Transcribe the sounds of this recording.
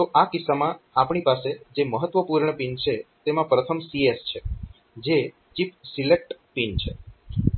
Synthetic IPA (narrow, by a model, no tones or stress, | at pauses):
t̪oʔakɪsːamãapɳ̃ipased͡ʒeməɦət̪ːʋəpuɾɳəpint͡ʃʰet̪emãpɾət̪ʰəmsiest͡ʃʰe | d͡ʒe | t͡ʃipsilek̚ʈpint͡ʃʰe